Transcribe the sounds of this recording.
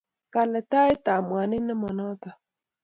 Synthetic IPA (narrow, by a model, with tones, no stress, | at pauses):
ka˨lɛ˨t̪a˦jt̪a˨mwa˨ni˦na˦ma˨nɔ˦t̪a˨